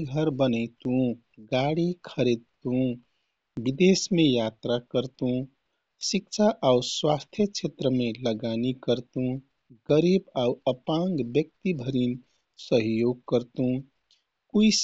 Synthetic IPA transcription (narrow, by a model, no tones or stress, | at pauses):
ɡʱəɾbənəɪt̪ũ | ɡaɽikʰəɾed̪̚t̪ũ | bid̪esmẽjat̪ɾakəɾt̪ũ | sik̚t͡ʃʰaʔauswast̪ʰjət͡ʃʰet̪ɾəmeləɡanikəɾt̪ũ | ɡəɾibauəpaŋɡbjək̚t̪ibʱəɾin | səɦjoɡ̚kəɾt̪ũ | kuis